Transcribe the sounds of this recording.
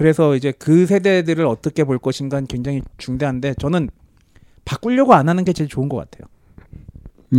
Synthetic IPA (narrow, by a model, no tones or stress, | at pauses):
kɯɾe̞sʰʌid͡ʑe̞kɯs̬ʰe̞de̞dɯɾɯɾʌt͈ʌkʰe̞poɭk͈ʌɕʰinɡankwe̞ŋd͡ʑaŋit͡ɕuŋde̞ɦande̞t͡ɕʌnɯn | pak͈uʎːʌɡoanɦanɯnɡe̞t͡ɕe̞ɭt͡ɕoɯnɡʌk͈a̰tʰe̞jo